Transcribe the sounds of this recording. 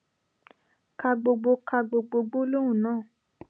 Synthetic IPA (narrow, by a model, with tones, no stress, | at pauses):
ka˧ɡ͡bo˧ɡ͡bo˧ka˧ɡ͡bo˧ɡ͡bo˧ɡ͡bo˦lo˦wũ˦˨nãː˦˨